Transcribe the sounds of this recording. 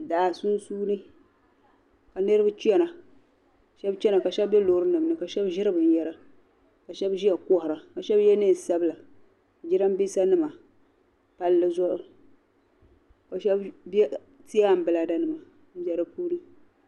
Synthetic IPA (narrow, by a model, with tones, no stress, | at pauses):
da˨su˦n˦suː˦nɨ˦ | ka˨nɨ˦ɾɨ˦bɨ˦t͡ʃi˦ɛ˦na˨ | ʃɛ˦bt͡ʃɛ˦na˨ka˨ʃɛ˦bɛ˦loː˨˦ɾɨ˦nɨ˨m˨nɨ˨ka˨ʃɛ˦bʒɪ˦ɾɨ˦bɨ˨n̩˦˨jɛ˦ɾa˦ | ka˨ʃɛ˦bʒi˦ja˨kʊ˦hʊ˨ɾa˨ka˨ʃɛ˦bjɛ˦nɨ˦˨sa˦bla˨ | d͡ʒi˦ɾa˦m˦bi˦sa˦nɨ˦ma˨ | pa˦lːɨ˦zɔ˦ʔʊ˦ | ka˨ʃɛ˦bbɛ˦ | ti˦a˦˨m̩˦bɨ˨la˨da˦nɨ˨ma˨ | m̩˦bɛ˦ɾɨ˦puː˦nɨ˦